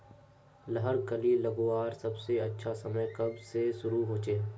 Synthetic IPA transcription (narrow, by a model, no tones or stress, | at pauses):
lɐɦəɾkɐlilɐɡoaːɾsɐbseɐtːʃʰasɐməjkɐbseʃʊɾuɦoːt͡ʃeː